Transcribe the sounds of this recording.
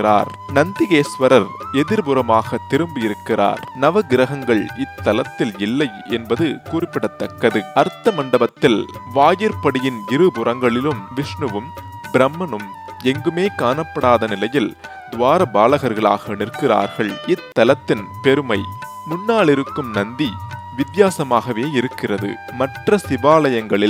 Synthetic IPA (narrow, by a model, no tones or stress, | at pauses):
ɪɾa̰ːɾ | nɐnd̪ɪɣeːsʋɐɾɐɾɛðɪɾbʊɾɐmaːɣɐt̪ːɪɾɯmbɯɪɾɯkːɪra̰ːɾnɐʋɐɡɪɾɐɣɐŋɡɐɭɪt̪ːɐlɐt̪ːɪlɪlːɐɪɛnbɐðɯkuːrɪpːɪɽɐt̪ːɐkːɐðɯɐɾt̪ːɐmɐɳɖɐbɐt̪ːɪlʋaːjɐɾpɐɽɪjɪnɪɾɯbʊɾɐŋɡɐɭɪlɯmʋɪʂɳɯʋɯm | bɪɾɛmːɐnɯm | ɛŋɡɯmeːkaːnɐpːɐɽaːðɐnɪlɐjɪl | d̪ʋaːɾɐbaːlɐɣɐɾɣɐɭa̰ːɣɐnɪrkɪra̰ːɾɣɐɭɪt̪ːɐlɐt̪ːɪnpɛɾɯmɐɪ | mʊnːaːɭɪɾɯkːɯmnɐnd̪i | ʋɪd̪jaːsɐmaːɣɐʋeːɪɾɯkːɪrɐðɯ̰ | mɐʈrɐsɪʋaːlɐjɐŋɡɐɭɪl